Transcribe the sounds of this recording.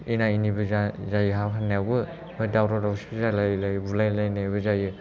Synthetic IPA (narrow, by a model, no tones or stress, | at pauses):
inainibɯzazajɯɦawɦanajawbɯ | mɯdawɾadawsibɯzalajlajɯbulajlajnajbɯzajɯ